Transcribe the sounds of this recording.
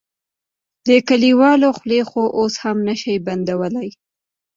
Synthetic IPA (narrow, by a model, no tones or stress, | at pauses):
d̪əkaliwɑloxlexoʔoshamnaʃajband̪awəlaj